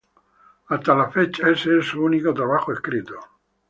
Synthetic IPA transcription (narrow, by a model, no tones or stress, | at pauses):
ast̪alafet͡ʃaeseesuunikot̪ɾaβaxoeskɾit̪o